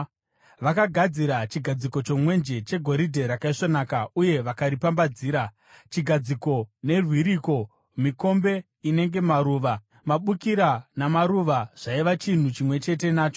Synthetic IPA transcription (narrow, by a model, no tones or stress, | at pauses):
ʋakaɡʱad͡ziɾat͡ʃiɡʱad͡ziko̞t͡ʃo̞mwe̞nd͡ʒe̞t͡ʃe̞ɡʱo̞ɾidʱe̞ɾakaiʂonakauje̞ʋakaɾipambad͡ziːɾa | t͡ʃiɡʱad͡ziko̞ne̞rwiɾiko̞ | miko̞mbe̞ | ine̞ŋɡe̞maɾuːʋa | maɓukiɾanamaɾuʋaʐ̥aiʋat͡ʃin̤ut͡ʃimwe̞t͡ʃe̞te̞naːt͡ʃo